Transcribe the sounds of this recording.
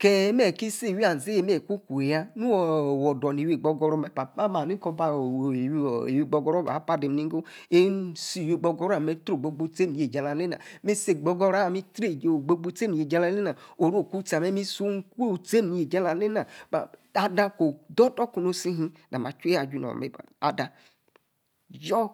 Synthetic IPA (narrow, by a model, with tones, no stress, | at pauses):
kɛ˦m˦ɛ˨ki˦se˦˨wi˦a˨n˨ze˦e˨˦m˦e˨ku˦ku˨e˨ja˦nu˦˨wɔ˨dɔ˨n˨i˨wi˨ɡ͡bɔ˧ɡɔ˧ɾɔ˦mɛ˨pa˨a˦ma˨ni˦kɔ˧ba˨we˨wi˦˨ɡ͡bɔ˧ɡɔ˦ɾɔ˦ba̰˨˦pa˦de˨m˨i˦ɡo˦e˦si˦˨jo˨˦˨ɡ͡bɔ˧ɡɔ˦ɾa˦˨me˦tɾo˨ɡ͡bo˨˦ɡ͡bo˦te˦˨ni˨e˨d͡ʒa˨la˨˦le˦na̰˨mi˦se˨ɡ͡bɔ˦ɡɔ˦ɾa˦˨mi˦tɾe˦˨ɡ͡bo˦ɡ͡bo˦te˦ni˨je˨d͡ʒa˦la˦le˦na˨o˨ɾo˦˨ku˦ta˨me˦mi˦su˦ŋ˦ku˦e˦˨te˦ni˨je˨d͡ʒa˦la˨le˦na˨ba˨a˨dã˧ko˨dɔ˦tɔ˦ku˨no˦si˦ɦĩ˦da˨ma˨t͡ʃe˦a˨d͡ʒu˦nɔ̰˨mḛ˨a̰˨dã˨ | jɔ˦